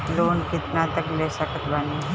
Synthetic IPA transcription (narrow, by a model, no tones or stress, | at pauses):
loːnkit̪nãt̪əɡlesakət̪bani